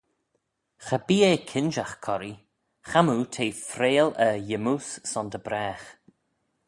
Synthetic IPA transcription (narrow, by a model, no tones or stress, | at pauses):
xəbiːeːkʰɪnʒaxkʰɔɾi | xamutʰeːfɾeːləjɪmussɔnd̪əbɾɛːx